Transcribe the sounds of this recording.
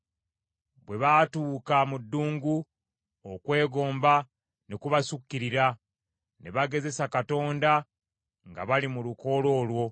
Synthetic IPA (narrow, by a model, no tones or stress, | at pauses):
bwe̞βatuːkamudːuːŋɡu | okwe̞ːɡo̞ːmba | nekuβasukːiɾiɾa | ne̞βaɡe̞ze̞sakato̞ːnda | ŋɡa̰βalimuluko̞lo̞ːlwo̞